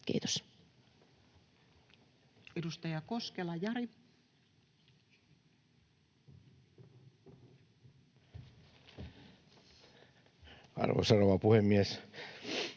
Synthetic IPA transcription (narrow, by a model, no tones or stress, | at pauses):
kḭːt̪o̥s | edust̪ɑjɑkoskelɑjɑɾi | ɑ̰rʋo̰sɑroʋɑpuhemːies